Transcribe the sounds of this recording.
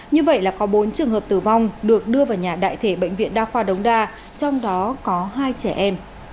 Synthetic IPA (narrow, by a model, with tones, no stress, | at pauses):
ɲɨ˧və̰˧˨jlaː˨˩kɔ˨˦ɓo˨˦nt͡ɕɨ˨˩əŋɦəː˨˩p̚t̪ɨ˨˩va˧wŋ͡mɗɨ˨˩ək̚ɗɨ˧əvaː˨˩wɲaː˨˩ɗa̰ː˧˨jt̪ʰe˧˩ɓə̰˧˨jŋ̟vḭ˧˨ənɗaː˧xwaː˧ɗə˨˦wŋ͡mɗaː˧ | t͡ɕɔ˧wŋ͡mɗɔ˨˦kɔ˨˦ɦaː˧jt͡ɕɛ˧˩ʔɛ˧m